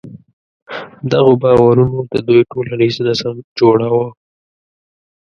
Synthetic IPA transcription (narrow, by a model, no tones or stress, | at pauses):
md̪aɣobɑwaɾunod̪əd̪ujʈolaniznasamd͡ʒoɽawə